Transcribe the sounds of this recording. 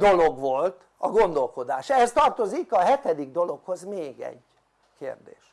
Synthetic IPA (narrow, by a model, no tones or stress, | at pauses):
d̪o̞lo̞ɡʋo̞lt̪ | ɒ̰ɡo̞nd̪o̞lko̞d̪aːʃɛɦɛst̪ɒrt̪o̞zikɒɦɛt̪ɛd̪iɡd̪o̞lo̞kho̞zmeːɡɛ̰ɟ | keːrd̪ḛːʃ